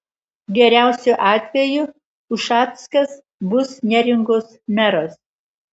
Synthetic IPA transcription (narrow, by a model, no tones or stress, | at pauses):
ɡʲɛɾʲæˑʊsʲʊʔɑːt̪ʲʋʲɛju | ʊʃɑːt̪skɐs | bʊsnʲɛɾʲɪŋɡoːsmʲæɾoːs